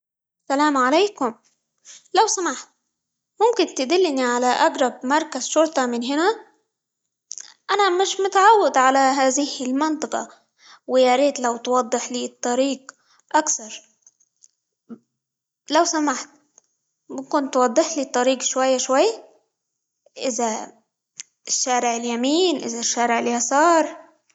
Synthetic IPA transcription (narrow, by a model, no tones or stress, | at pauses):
salaːmʕaleːkʊm | lawsamaħt̪̚ | mʊmkɪnt̪ɪd̪ɪlːɪniʕalaʔaɡɾˤɑb̚mɑɾˤkazʃʊɾˤt̪ˤɑmɪnɦɪna | ʔanamɪʃmʊt̪ʕawːɪd̪ʕalaɦaːðɪhɪlmɪnt̪ˤɑqɑ̰ | wɪjaɾeːt̪lawt̪wɑd̪ˤːɨħliːt̪ˤːɑɾiːɡ | ʔakθɑɾˤ | lawsamaħt̪̚ | bɪkʊnt̪ːwɑd̪ˤːɨħliːt̪ˤːɑɾiːqʃwajːaʃwajːa | ʔɪza | ɪʃːaːɾɪʕɪljamiːnʔɪ̰zaʃːaːɾɪʕɪljasɑːɾˤ